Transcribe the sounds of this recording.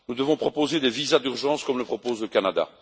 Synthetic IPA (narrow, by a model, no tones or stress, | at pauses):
nud̪əvɔ̃pχɔpozed̪evizad̪yʁʒɑ̃ːskɔmləpχɔpozləkanad̪a̰